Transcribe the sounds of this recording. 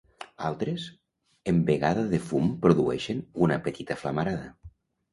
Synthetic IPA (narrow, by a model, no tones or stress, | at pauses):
alˠt̪ɾes | embeɣaðaðefumpɾoðuɛʃenunapet̪it̪aflamaɾaðɐ